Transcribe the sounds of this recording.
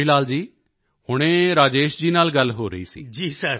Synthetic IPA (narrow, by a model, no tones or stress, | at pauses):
ilaːld͡ʒiː | hʊɽ̃ẽːɾaːd͡ʒeːʃd͡ʒiːnaːlɡəlɦoːɾə̰ḭːsḭːd͡ʒiːsəɾ